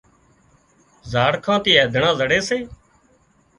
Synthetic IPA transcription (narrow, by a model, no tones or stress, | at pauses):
zaːɽkʰãːt̪iːeːd̪ʱɳãːzəɽeːseː